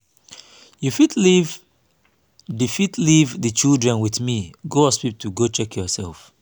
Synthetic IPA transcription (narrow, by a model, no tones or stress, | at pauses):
jufitliv | difitlivðɨt͡ʃildɹɛ̃nwiθmiɡoɔspip̚tʰuɡot͡ʃɛkʰjɔsɛlˠf